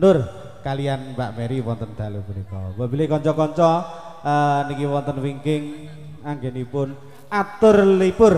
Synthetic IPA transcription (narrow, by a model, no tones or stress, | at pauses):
nd̪ʊr | kalijanbaʔmɛɾiwɔnt̪ənd̪̥alub̥ulikɔ̰babi̤lɪhkɔɲt͡ʃɔkɔɲt͡ʃɔ | ənikiwɔnt̪ənwiŋkɪŋ | aŋɡenipʊn | ʔat̪ʊrlipʊr